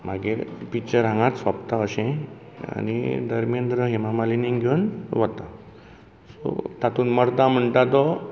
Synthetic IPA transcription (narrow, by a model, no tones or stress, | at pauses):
m̤aɡeɾpit͡ɕəɾãŋɡãt̪sʋapt̪aəɕɛ̃ | a̰nḭd̪əɾmjənd̪ɾəɦemamaliniŋɡʱonʋət̪a | sɔ̰t̪at̪uːnməɾd̪am̤əɳʈ̪at̪̬ɔ